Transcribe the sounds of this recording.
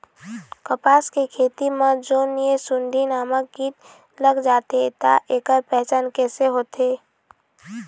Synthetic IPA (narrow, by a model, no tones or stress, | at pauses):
kəpaːskekʰeːt̪imə̃d͡ʒoːniesʊnɖ̪ʱinaːmək̚ɡiːt̪ | ləɡd͡ʒaːt̪et̪a̰ʔeːkəɾpɛɦt͡ʃaːnkɛːseɦoːt̪eː